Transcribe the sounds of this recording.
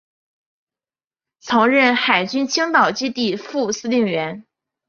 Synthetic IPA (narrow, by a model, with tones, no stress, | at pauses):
t͡sʰɤ˧˥ŋɻə˥˩nxa˨˩ɪt͡ɕy˥nt͡ɕʰi˥ŋt̪ɑ˨˩ʊt͡ɕi˥t̪i˥˧fu˥˧sɹ̩˥li˥˩ŋɥɛ˧˥n